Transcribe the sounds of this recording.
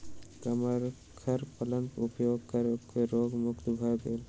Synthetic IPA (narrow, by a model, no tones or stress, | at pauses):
t̪ɐmaɾ | kʰɐɾpɐlənupjoɡ̚kɐɾokːoɾoːɡmukt̪bʱabel